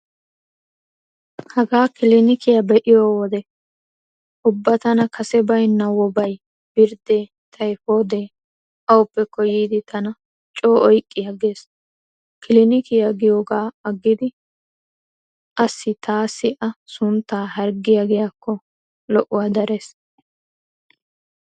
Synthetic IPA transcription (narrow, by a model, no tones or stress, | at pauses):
hɐɡaːkɪlɪnɪkɪjɐbɛʔɪjoːwɔd̪ɛ | ʔʊbːɐt̪ɐnɐkʰɐsɛbɐjnːɐwɔbɐj | b̥ɪɾd̪e̞ː | t̪ʰɐjfoːd̪eː | ʔɐwʊpːɛkɔjiːd̪ɪt̪ʰɐnɐ | t͡ʃʼoːʔɔjkʼːɪjɐɡeːs | kɪlɪnɪkɪjɐɡɪjoːɡaːɐɡːɪd̪ɪ | ʔɐsːɪt̪ʰaːsːɪʔɐsʊnt̪ːaːɦɐɾɡɪjaɡɪjakːɔ | lɔʔʊwad̪ɐɾeːs